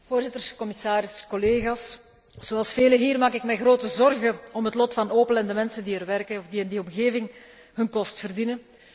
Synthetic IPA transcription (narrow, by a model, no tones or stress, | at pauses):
v̥oːrzɪtərkɔmɪsaːɾɪskɔleːɣaːs | z̥oɑlˠsfeːləɦiːrmaːkɪkmɛjɣroːtəzɔrɣəɔmɦətlɔtfɑnoːpəlɛndəmɛnsəndiɛrʋɛrkəɔfdiɪndiɔmɣeːvɪŋ | ɦɵnkɔstfərdinən